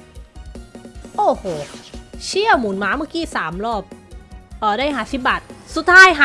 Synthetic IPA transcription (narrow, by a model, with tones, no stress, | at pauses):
ʔoː˨˩hoː˩t͡ɕʰi˥˩əwmuː˨˩˦nmaː˨˥ma˥˩˨kiː˧˥˩saː˩˦mɾɔː˥˩p̚ʔɔː˨˩daː˥˩jɦaː˨˩˦si˨˧˩p̚baː˨˩t̪̚su˨˩t̪ʰːaː˧˥˩jɦa˧